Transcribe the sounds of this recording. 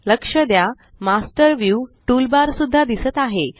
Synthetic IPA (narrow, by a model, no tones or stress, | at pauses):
ləkʂəd̪ja | masʈəɾʋjuʈulbaɾsud̪ʱːad̪isət̪aɦe